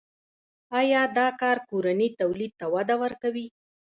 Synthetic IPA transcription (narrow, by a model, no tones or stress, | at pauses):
ɑjɑd̪ɑkɑɾkoɾanit̪awlid̪̚t̪awad̪awəɾkawi